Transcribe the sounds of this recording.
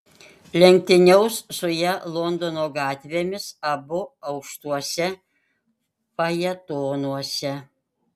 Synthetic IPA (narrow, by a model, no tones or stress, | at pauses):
lʲɛŋʲk̚t̪ʲɪnʲɛʊsːʊjɛlˠond̪onoːɡɑːt̪ʲʋʲeːmʲɪsɐbʊɐʊkʃt̪uɔsʲɛ | pɐjɛt̪oːnuɔsʲɛ